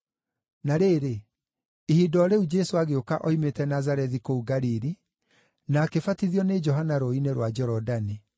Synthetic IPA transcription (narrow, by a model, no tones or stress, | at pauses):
naɾeɾe | ihidɔɾeud͡ʒɛsoaɣeokaʔɔimetɛnazaɾɛðikouɡaɾiɾi | naːkefatiðiɔned͡ʒɔɦanaɾoineɾwad͡ʒɛɾɔdani